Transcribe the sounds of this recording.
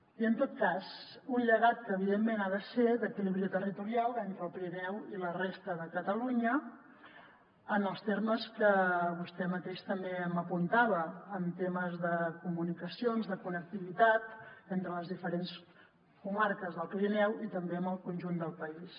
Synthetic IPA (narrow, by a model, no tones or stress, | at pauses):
iənt̪ot̪̚kaz | unʎəɣ̞at̪̚kəːβiðemːenað̞əseðəkiliβɾiət̪ərit̪uɾialˠent̪ɾəlˠpɾinɛwilərest̪əðəkət̪əluɲə | ənəlˠst̪erməskəβust̪ɛmət̪eʃt̪əmbeəməpunt̪aβəːmt̪eməzðəkumunikəsionzðəkunək̚t̪iβit̪at̪ent̪ɾələzðifəɾens | kumaɾkəzðəlˠpɾinɛwit̪əmbeəməlˠkunʲʒund̪əlˠpəis